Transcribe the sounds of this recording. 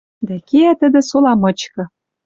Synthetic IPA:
d̪ækeæt̪ə̆d̪ɘ̆solɑmɤ̆t͡ɕkɤ̆

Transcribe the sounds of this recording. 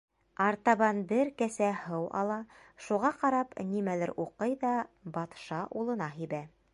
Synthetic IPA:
ɑɾt̪ɑβɑnbɘɾkæsæhɤwɑ̰lˠɑʃuʁɑqɑɾɑpnimælɘ̰ɾʔuqɤjðɑbɑt̪ʃɑʔulˠɤ̆nɑɦibæ

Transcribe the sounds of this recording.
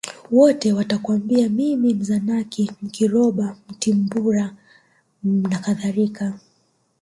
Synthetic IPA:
wɔtɛwatakwambiamimim̩zanakim̩kiɾɔɓam̩timbuɾa | nakaðaɾika

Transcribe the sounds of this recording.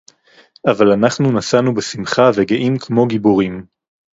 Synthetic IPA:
avalanaχnunasanubesimχaveɡeʔimkʰmo̞ɡiboʁim

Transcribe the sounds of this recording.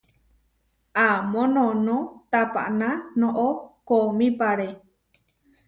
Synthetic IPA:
amõnõnõt̪apa̰ʔnãnõʔokomĩpaɾe

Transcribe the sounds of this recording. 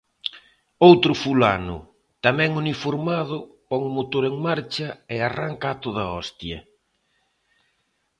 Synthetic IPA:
owt̪ɾʊfulanʊ̰ | t̪amɛ̃ŋunifoɾmað̞ʊpɔŋʊmot̪oɾeŋmaɾt͡ʃɐearaŋkaːt̪oðaɔst̪jɐ̰

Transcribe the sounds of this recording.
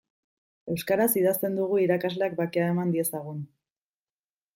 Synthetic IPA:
e̞wskaɾasiðast̪e̞nd̪uɣ̞uiɾakazle̞ak̚bakeaemand̪ie̞saɣ̞un

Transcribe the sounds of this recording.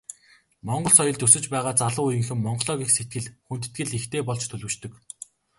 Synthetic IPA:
mɔɴɢɞ̆ɮsɔjɞ̆ɮt̪ɵsɵ̆t͡ɕpæːʁaːt͡saɮʊːujɘ̆ŋxɘ̆mːɔɴɢɮɔːɣʲiːkset̪̚ɡɘ̆ɮxunt̪ɘ̥̆t̪ɡɘ̆ɮixt̪eːpɔɮt͡ɕt̪ʰɵɮwɘ̆t͡ɕt̪ɵ̆k

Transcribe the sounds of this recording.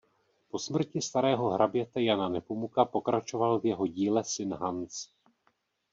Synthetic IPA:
po̞smr̩cɪst̪aɾɛːɦo̞ɦɾabjɛt̪ɛjananɛpomukapo̞kɾat͡ʃo̞valvjɛɦo̞ɟiːlɛsɪnɦant͡s

